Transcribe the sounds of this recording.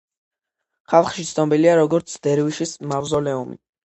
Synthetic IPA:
χalˠχʃit̪sʰnɔbiliaɾɔɡɔɾt̪sʰd̪̥ɛɾwiʃismavzɔlɛumḭ

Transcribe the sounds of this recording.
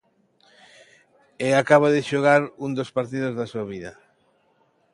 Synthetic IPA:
eakaβaðeʃoɣaɾund̪ospaɾt̪iðozðasuaβiðɐ

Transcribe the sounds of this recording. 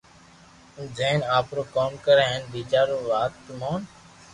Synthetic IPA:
zẽːnaːpɾoːkoːmkəɾeːɦənbiːt͡ʃaːɾoːʋaːt̪moːn

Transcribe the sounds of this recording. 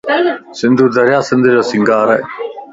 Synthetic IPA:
sɪnd̪uːɾd̪ɐɾjaːsɪnd̪ɪɾɐsɪŋɡaːɾɐ

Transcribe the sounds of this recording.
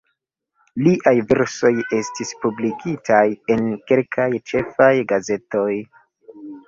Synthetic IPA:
liʔajveɾso̞je̞stispublikʰitʰaje̞nke̞lkʰajt͡ʃe̞fajɡaze̞to̞j

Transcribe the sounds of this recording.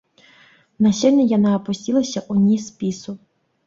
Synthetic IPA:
nɐʃɛlʲnʲɪjɐnaːpʊsʲtʲilˠɐsʲɐʔʊnʲispʲisʊ

